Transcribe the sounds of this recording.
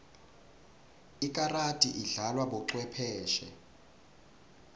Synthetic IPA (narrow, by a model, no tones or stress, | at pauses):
ik̬ʼaratʼiʔiɮalwaɓɔǁwɛpʰɛːʃɛ